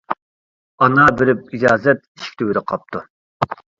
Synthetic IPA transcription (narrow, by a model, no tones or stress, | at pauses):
ɑnɑbɪɾɪp̚id͡ʒɑːzɛt̪̚i̥ʃkʲt̪ʰywɪd̪ɪqʰɑp̚t̪ʰu